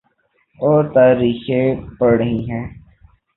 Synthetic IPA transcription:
oːɾt̪aːɾiːxẽpəɽəɦĩɦɛ̃ː

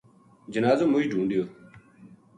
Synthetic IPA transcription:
d͡ʒənaːzoːmʊiːɖʱũːɳɖɪjoː

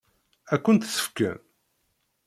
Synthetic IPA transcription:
ækʷːənt̪sə̥fkæ̰n

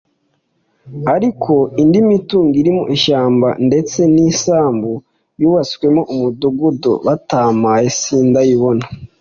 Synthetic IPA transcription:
aɾikʰo̞indimituːŋɡiɾimo̰ʔiʃaːmba̰nde̞t͡se̞niːsaːmbu | juːβaskwe̞mo̞ʔumuduɡudo̰βataːmajesiːndajiβo̞na

